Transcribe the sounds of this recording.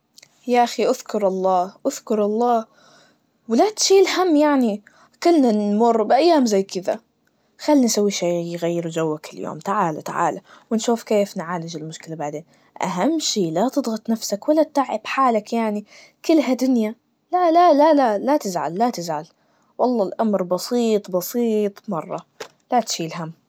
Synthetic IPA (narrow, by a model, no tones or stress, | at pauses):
jaʔaxiʔaðkʊɾˤʔɑlˤːɑːʔʊðkʊɾˤɑlˤːɑː | wlat̪ʃiːlhamːjaʕni | kɪlːnanmʊrːbɪʔajːaːmzajːkɪða̰ | xalːinsawːiʃaːjɣajːɪɾud͡ʒawːakɪljo̰ːmt̪aʕaːlat̪aʕa̰ːlawɪnʃuːfkeːfnʕaːlɪd͡ʒɪlmʊʃkɪlabaʕd̪eːn | ʔa̰ɦamːʃiːlat̪ɨd̪ˤɣɑt̪ˤnafsakwalːat̪t̪ːaʕːɪb̥ħaːlakjaʕni | kɪlːɦad̪ʊnja | lalalalaːat̪ɪzʕa̰lːat̪ɪzʕal | wɑlˤːɑːlʔamɾbɑsiːt̪ˤbɑsiːt̪ˤmɑrˤːɑ | lat̪ʃiːlɦamː